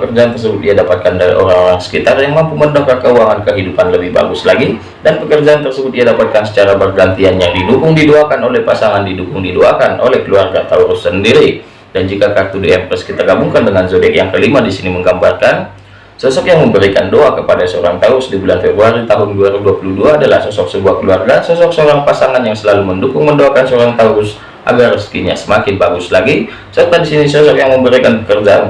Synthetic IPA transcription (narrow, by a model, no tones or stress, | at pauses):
pəkərd͡ʒaant̪ərs̬əbʊt̪̚iadapat̪̚kandaɾḭʔo̰ɾaŋoɾaŋsə̥kit̪arjaŋmampuməndɔŋkakəuaŋankəɦidupanləbɪhba̰ɡʊslaɡi | danpəkərd͡ʒaːnt̪ərsəbʊt̪̚iadapat̪̚kansə̥t͡ʃaɾabərɡant̪ianjaŋdidukʊŋdiduakanolɛhpasaŋandidukʊŋdiduakanʔo̰lɛhkəluarɡat̪auɾʊsəndiɾi | dand͡ʒikakart̪udiɛmɛskit̪aɡabuŋkandəŋanzodɛkjaŋkəlimadisiniməŋɡambarkan | sɔsɔkjaŋməmbəɾikandoakəpadasəoɾaŋt̪auɾʊsdibulanfɛbɾuaɾit̪aɦʊnduaɾiuduapuluduaːdalahsɔsɔk̚səbuahkəluarɡasɔsɔk̚səoɾaŋpasaŋanjaŋsəlaluməndukʊŋməndoakansəoɾaŋt̪auɾʊs | ʔa̰ɡarəskiɲasəmakɪnbaɡʊslaɡi | sərt̪adisinisɔsɔkjaŋməmbəɾikanpəkərd͡ʒa